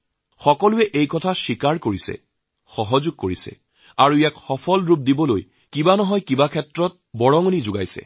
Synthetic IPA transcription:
xɔkɔlʊɛʔejkɔtʰasikaɹkoɹisɛ̰ | xɔɦɔzuɡ̚koɹisɛ̰ | aɹuijakxɔpʰɔlɹup̚dibɔlo̰j | kibanɔɦɔjkibakʰɛtɹɔt̚bɔɹɔŋɔnizʊɡa̰jsɛ̰

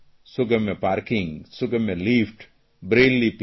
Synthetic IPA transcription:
sʊɡəmẽpaːɾkɪ̃ŋɡsʊɡəmẽliːfʈ | bɾeːlːip

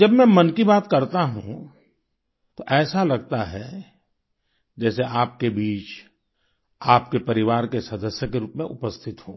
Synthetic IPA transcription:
d͡ʒɐbmɛ̃mɐnkibaːt̪kɐɾt̪aɦṵ̃ | t̪oʔɛːsalɐɡt̪aɦɛ | d͡ʒɛːseʔaːp̚kebiːt͡ʃ | aːp̚kepɐɾɪʋaːɾkesɐd̪əsjəkeɾuːpmẽʔʊpəst̪ʰɪt̪ɦoː

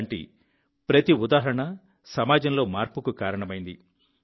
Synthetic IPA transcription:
ɳʈḭ | pɾɐt̪iud̪aːɦɐɾɐɳɐ | sɐmaːd͡ʒɐmlo̞ːmaːɾpukukaːɾɐɳɐmɐjind̪ḭ

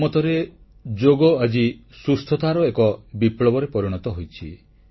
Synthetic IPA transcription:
mɔt̪ɔɾe | d͡ʒoɡɔad͡ʒisust̪ʰɔt̪ʰaɾɔekɔbiplɔbɔɾepɔɾiɽ̃ɔt̪ɔɦojt͡ʃʰḭ

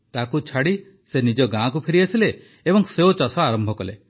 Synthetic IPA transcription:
t̪akut͡ʃʰaɽi | senid͡ʒɔɡãkupʰeɾiasileː | bɔŋseot͡ʃɔsɔaɾɔmbʱɔkɔlḛ

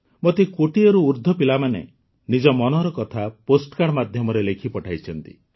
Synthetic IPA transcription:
mot̪ikoʈiɔɾuːɾd̪ʱɔpilamanḛ | nid͡ʒɔmɔnɔɾɔkɔt̪ʰaposʈkaɽɔmad̪ʱjɔmɔɾelekʰipɔʈʰajt͡ʃʰɔnt̪ḭ

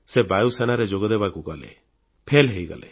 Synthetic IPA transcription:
sebajusenaɾed͡ʒoɡɔd̪ebakuɡɔlḛ | pʰelɦejɡɔ̰lḛ

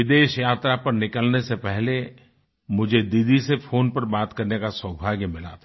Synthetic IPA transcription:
ɪd̪eːʃjaːt̪ɾapɐɾnɪkəlnesepɛɦle | mʊd͡ʒʱed̪id̪isefʰoːnpɐɾbaːt̪kɐɾnekasəbʱaːɡmɪla̰ːt̪ʰa

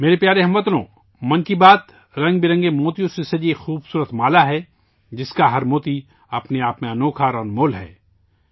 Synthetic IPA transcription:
meːɾepjaːɾeɦɐmʋət̪lõ̰ː | mɐnkibaːt̪ | ɾɐ̃ŋɡbɪɾɐ̃ŋɡemoːt̪ijõsesed͡ʒieːxuːbsuːɾət̪maːlaɦɛ | d͡ʒɪskaɦɐɾmoːt̪i | ɐpneaːpmẽɐnoːkʰaɾɐnmoːlɦɛ̰ː

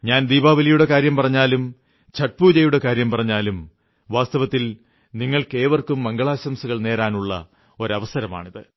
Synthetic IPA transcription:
ɲaːnd̪iːbaːʋɐlijuɽe̞kaːɾjɐmpɐrɐɲːaːlum | t͡ɕɐʈ̚puːd͡ʑɐjuɽe̞kaːɾjɐmpɐrɐɲːaːlum | ʋaːst̪ɐʋɐt̪ːil | niŋːɐɭke̞ːʋɐrkumːɐŋɡɐɭaːɕɐmsuɣɐɭne̞ːɾaːnuɭːɐ̰ | oɾɐʋɐsɐɾɐma̰ːɳiðɨ

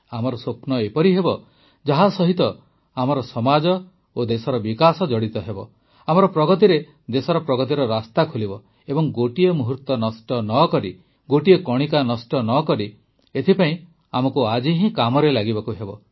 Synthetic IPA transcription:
amɔɾɔsopnɔepɔɾiɦebɔ | d͡ʒaɦasɔɦit̪ɔ | amɔɾɔsɔmad͡ʒɔ | od̪esɔɾɔbikasɔd͡ʒɔɽit̪ɔɦebɔ̰ | amɔɾɔpɾɔɡɔt̪̬iɾe | d̪esɔɾɔpɾɔɡɔt̪̬iɾɔɾast̪akʰolibɔ | ebɔŋɡoʈiemuɦuɾt̪ɔnɔsʈɔnɔkɔɾi | ɡoʈiekɔɽ̃ikanɔsʈɔnɔkɔɾi | et̪ʰipaĩ | amɔkuad͡ʒiɦĩkamɔɾelaɡibakuɦebɔ

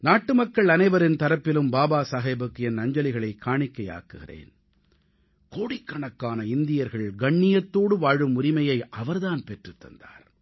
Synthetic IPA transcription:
naːʈːɯmɐkːɐɭɐnɐɪʋɐɾɪnt̪ɐɾɐpːɪlɯmbaːbaːsaːɣɐɪbɯkːɯɛnːɐɲd͡ʒɐlɪɣɐɭɐɪkːaːɳɪkːɐja̰ːkɯɣɪ̰rḛːn | koːɽɪkːɐɳɐkːaːnɐɪnd̪ɪjɐɾɣɐɭɡɐɳːɪjɐt̪ːoːɽɯʋaːɻɯmʊɾɪmɐjɐɪʔɐʋɐɾðaːnpɛʈrɯt̪ːɐ̰nd̪a̰ːɾ

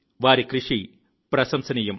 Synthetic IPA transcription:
ʋaːɾikrɨʂi | prɐsɐmsɐnɐjum

